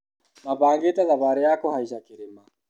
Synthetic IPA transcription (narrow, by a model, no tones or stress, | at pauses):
maβaŋɡetaðaβaɾɛjakɔhaiʃakiɾima